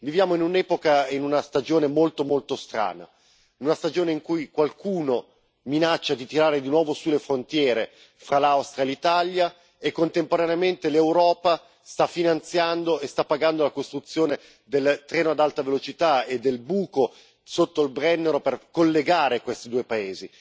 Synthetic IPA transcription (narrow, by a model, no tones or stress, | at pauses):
vivjaːmoinunɛːpokainunast̪ad͡ʒoːnemolt̪omolt̪ost̪ɾa̰ːna̰ | inunast̪ad͡ʒoːneiŋkujkwalkʰuːno | minat͡ʃːad̪it̪iɾaːɾed̪inwɔːvosulefɾont̪jɛːɾe | fɾalawst̪ɾjaelit̪alja | ekːont̪empoɾaneament̪elewɾɔːpa | st̪afːinant̪sjand̪oest̪apːaɡand̪olakost̪ɾut̪sːjoːne | d̪elt̪ɾɛːnoad̪alt̪avelot͡ʃit̪aed̪ːelbuːko | sot̪ːoilbɾɛnːeɾoperkolːeɡaːɾekwest̪id̪uːepaeːzi